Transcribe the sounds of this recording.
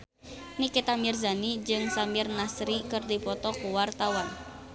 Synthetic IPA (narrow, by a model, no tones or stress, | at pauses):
nikit̪amɪrza̤nid͡ʒɨŋsamiɪrnasɾikɨrd̪i̤pɔt̪ɔkuwart̪awan